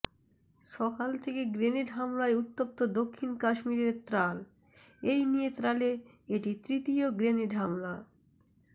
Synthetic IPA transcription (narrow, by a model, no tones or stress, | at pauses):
ʃɔkalt̪ʰekeɡɾeneʈɦamlaeut̪ːop̚t̪od̪okʰːinkaʃmiɾeɾt̪ɾal | ejnijet̪ɾale | eʈit̪ɾit̪ioɡɾeneʈɦamla